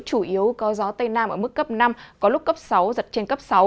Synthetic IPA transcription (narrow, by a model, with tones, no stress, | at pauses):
t͡ɕu˧˩ʔi˨˦əwkɔ˨˦zɔ˨˦t̪ə˧jnaː˧mʔəː˧˩mɨ˦˥kːə˦˥p̚na˧mkɔ˨˦lʊ˦˥k͡p̚k̚kə˦˥p̚sa˨˦wzə˨˩t̚t͡ɕe˧nkə˦˥p̚sa˨˦w